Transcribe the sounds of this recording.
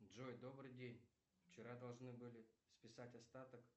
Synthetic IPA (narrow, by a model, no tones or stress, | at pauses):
dʐojd̪o̞bɾɨjdʲenʲ | ft͡ɕɪɾad̪ɐlˠʐnɨbɨlʲɪspʲɪsatʲɐst̪at̪ək